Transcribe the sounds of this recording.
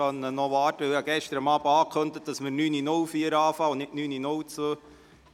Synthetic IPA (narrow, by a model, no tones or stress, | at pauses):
ɑnənɔʋɑːtəʋɪhɑɡɛʃtəɾəmɑːbəɑːkʰχɵndət̚d̥ɑsmənyːninʊlfiəɾɑːfɑːʊnnɪʔnyːninʊwt͡sʋøː